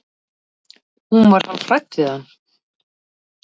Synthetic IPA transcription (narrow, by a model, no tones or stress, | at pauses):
hunvaɾ̥haðfɾaj̚t̪ɪðanː